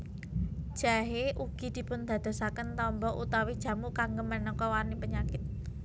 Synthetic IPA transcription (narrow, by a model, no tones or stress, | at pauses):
d̥ʒ̥a̤ɦeʔuɡ̥i̤d̪̥i̤pʊnd̪̥ä̤d̪̥o̤sakənt̪ɔmbɔʔut̪awid̥ʒ̥ä̤mukaŋɡəmənɔkɔwanipəɲakɪt̪̚